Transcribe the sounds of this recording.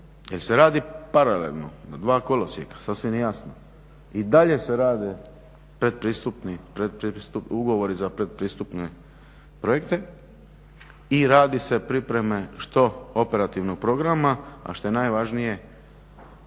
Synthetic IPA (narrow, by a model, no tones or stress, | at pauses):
jelse̞ɾaːd̪ipaɾalḛlˠno̰nad̪ʋaːkolosjekḁsasʋimjjasno | id̪aʎe̞se̞ɾaːd̪e | pɾe̞d̪̚pɾiːst̪upnipɾed̪̚pɾist̪upuɡo̞ʋo̞ɾizapɾe̞d̪̚pɾiːst̪upne | pɾo̞jekt̪e̞ | iɾaːd̪ise̞pɾipɾe̞me̞ʃt̪o̞o̞pe̞ɾat̪iʋnoɡ̚pɾo̞ɡɾamaa̰ʃt̪ojenajʋaʒnije̞